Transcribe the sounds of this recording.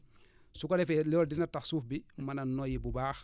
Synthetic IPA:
sukɔɾɛfɛlɔldinɐtɐxsuːfbimɐnɐnɔjibubaːx

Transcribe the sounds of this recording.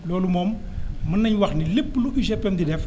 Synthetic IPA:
lɔːlumɔːm | mɐnːɐɲwɐxnilepːluʔiʃɛpːɛndidɛf

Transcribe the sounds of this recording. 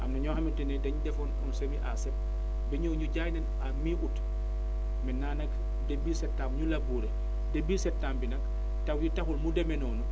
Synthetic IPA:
ʔɐ̰mnɐɲɔːhɐmitɛnɛdɐɲudɛfɔnkɔnsemiʔa̰sɛp̚ | bɛɲɔːɲuɟaːjnɛn | amiːʔut | mɛnaːnɐk | debiːsɛtːaːmɲulɐbuːɾɛ | dɛbiːsɛtːaːmbinɐk | tɐwjitɐxulmudɛmɛnɔːnu

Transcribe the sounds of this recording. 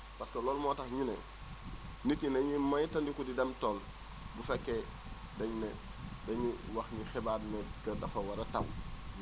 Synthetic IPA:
paskɐloːlmoːtɐxɲinḛ | nitinɐɲimɐjtɐndikudidɛmtoːl | bufɛkːe | dɐɲne | dɐɲiwɐxɲixebaːdnekɐdɐfɐwɐɾɐtɐ̰w

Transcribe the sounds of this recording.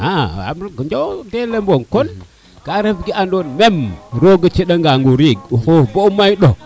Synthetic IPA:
aa̰mɡəd͡ʒodelemboŋkon | ɡ̥aɾebɡiʔandonmemɾoɡət͡ʃeɗaŋɡaŋɡuɾiɡuxoboumaiɗo

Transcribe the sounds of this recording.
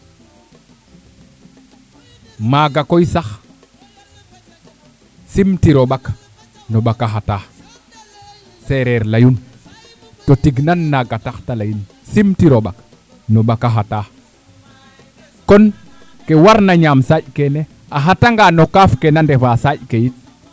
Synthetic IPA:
maɡakojsax | simtiɾoɓak | noɓakaɦata | seɾɛɾlajun | totiɡnanːaɡataxtalajin | simtiɾoɓa̰k | noɓakaɦata | kon | kewaɾnaɲamsaɟkene | aɦataŋɡanokafkenandefasaɟkejit̚

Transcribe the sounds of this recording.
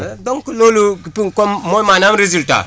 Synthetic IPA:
doŋkulolukipiŋkommomanamɾezilta̰

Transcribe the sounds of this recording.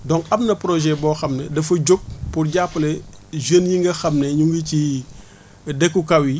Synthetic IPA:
dɔŋkɐmnɐpɾɔʒɛbɔːxɐmnɛdɐfɐɟok̚purɟapːlɛʒənjiŋɡɐxɐmneɲuŋɡici | dɛkːukɐwi

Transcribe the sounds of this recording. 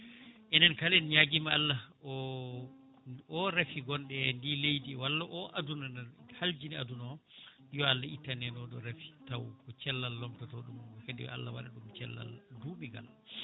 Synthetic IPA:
ʔɛnɛnkalɛnɲaɡimaalːaɔ | ɔɾafiɡɔnɗɛndilejdiwalːaʔɔʔadunanhald͡ʒiniadunɔ | jɔalːaitːanɛnɔɗɔɾafi̥tawkɔt͡ʃɛlːalːɔmtatɔɗumɡkedɛ̰w̰a̰lːawaɗa̰ɗumt͡ʃɛlːa̰lduɓiɡa̰l

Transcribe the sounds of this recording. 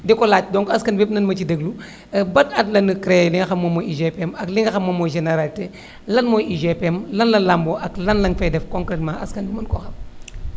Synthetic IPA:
dɛkɔlat̚dɔŋkɐskɐnbɛpnɐnmɐt͡ʃidəɡlu | bɐtɐtlɐnəkɾɛliŋɡɐxɐmːomɔjiʒepɛmɐkliŋɡɐxɐmːɐmɔʒeneɾalte | lɐnmɔjiʒepɛmlɐnlɐlamboʔɐklɐnlɐŋfɛdɛfkɔ̃ŋkɾɛtmãʔɐskɐnmɐnkɔxɐm

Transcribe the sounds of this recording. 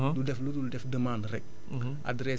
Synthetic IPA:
dudɛflududɛfdəmandɾɛk̚ | a̰dɾɛ

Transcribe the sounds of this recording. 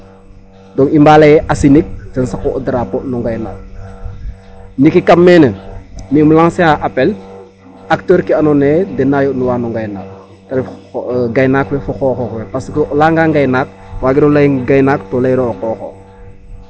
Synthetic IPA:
dɔŋimbalajɛʔasinik̚tɐnsakoʔodiɾaponuŋɡajna̰ːk̚ | nikikamːenəmimulaŋseaʔapel | ak̚tøːɾkianɔneːdɛnajonuwaːnuŋɡajna̰ːk̚ | tɐɾɡajnaːkwefuxɔːxɔxwɛpaskolaŋɡaŋɡajnaːk̚ | waːɡiɾolajɡajnaːktolajɾokɔːxo̰

